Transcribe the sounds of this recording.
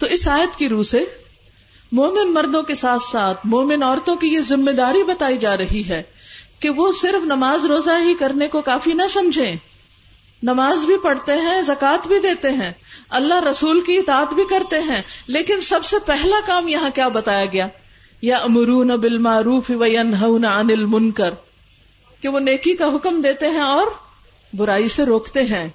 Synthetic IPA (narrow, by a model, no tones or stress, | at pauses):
t̪oːɪsaːjət̪kiɾuːse | moːmɪnmɐɾd̪õkesaːt̪ʰsaːt̪ʰmoːmɪnɔːɾt̪õkijezɪmːed̪aːɾibɐt̪aːid͡ʒaːɾɐɦiɦɛːkeʋosɪɾfnɐmaːzɾoːzaɦikɐɾnekokaːfinɐsɐ̃md͡ʒʱẽ | nɐmaːzbʱipɐɽt̪eɦɛ̃zɐkaːt̪bʱid̪eːt̪eɦɛ̃ːɐlːaɦɾɐsuːlkiɪt̪aːət̪bʱikɐɾt̪eɦɛ̃leːkɪnsɐbsepɛɦlakaːmjɐɦãkjaːbɐt̪aːjaɡɐjaː | jɐʔmʊɾuːnabɪlmaːɾuːfɪʋɐjɐnɦɐʊnaɐnɪlmʊ̃nkəɾ | keʋoneːkikaɦʊkmd̪eːt̪eɦɛ̃ɔːɾ | bʊɾaːiseɾoːkt̪eɦɛ̃ː